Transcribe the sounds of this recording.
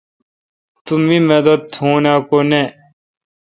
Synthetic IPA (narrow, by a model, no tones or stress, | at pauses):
t̪umimed̪ɐt̪ʰhõːnaːkone